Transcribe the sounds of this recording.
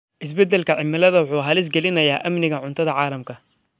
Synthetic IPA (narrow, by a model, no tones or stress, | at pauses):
ʔɪs̬bɛd̪ːɛlkʰɐʕɪmːɪlɐðɐwʊħuːɦɐlɪs̬ɡɛlɪnɐja̰ːʔɐmnɪɣɐʕʊnt̪ʰɐðɐʕɑːlɐmkʰɐ